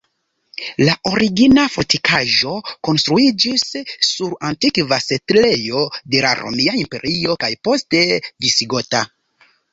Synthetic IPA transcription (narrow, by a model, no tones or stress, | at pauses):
laʔo̞ɾiɡinafotikʰaʒo̞ko̞nstɾuid͡ʒisːuɾantikvase̞tle̞jo̞de̞la̰ɾo̰miaimpe̞ɾio̞kajpo̞ste̞visiɡo̞ta